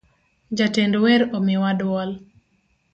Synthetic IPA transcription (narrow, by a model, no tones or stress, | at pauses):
d͡ʒatendoweɾomɪwadwɔl